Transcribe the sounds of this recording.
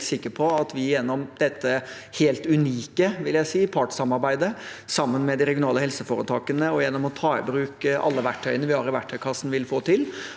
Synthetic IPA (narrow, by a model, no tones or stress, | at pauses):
sɪkːəpʰɔɑt̪ʋɪjɛnːɔmd̪̥ɛt̪ːə | heːlt̪ʉniːkəʋɪljæɪsiːpʰɑʈsɑmɑɾbæɪd̪əsɑmːənmɛd̪ɪɾɛɡjʊnɑːləhɛlsəfoːɾət̪ʰɑːkənəɔjɛnːɔmɔt̪ʰɑːɪbɾʉːkʔɑ̰lːəʋæʈʰːœʏənəʋɪhɑɾɪʋæʈʰːœʏkʰɑsːn̩ʋɪlfoːt̪ʰɪl